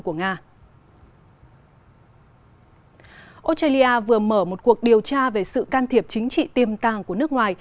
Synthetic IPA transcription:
ku˧˩əŋaː˧ | ʔo˦˥t̚a˧li˧ʔaː˧vɨ˨˩əməː˧˩mo˨˩t̚ku˨˩ək̚ɗi˨˩əwt͡ɕaː˧ve˨˩sɨ̰˧˨kaː˧nt̪ʰi˨˩əp̚t͡ɕï˨˦ŋ̟t͡ɕḭ˧˨t̪i˨˩əmt̪aː˨˩ŋku˧˩ənɨ˦˥ək̚ŋwaː˨˩j

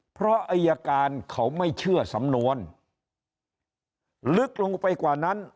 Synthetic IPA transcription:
pʰɾɔ˦˥ʔa˧jːaː˧kaː˧nkʰa˨˦˥wma˥˩jt͡ɕʰɯ˥˩ɐsa˩˦mnu˧ən | lɯ˦˥k̚lo˧ŋpa˧jkwaː˨˩na˦˥n

